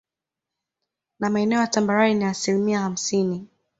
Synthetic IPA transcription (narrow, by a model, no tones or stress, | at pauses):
namaɛnɛɔjatambaɾaɾiniasilimiaham̩sini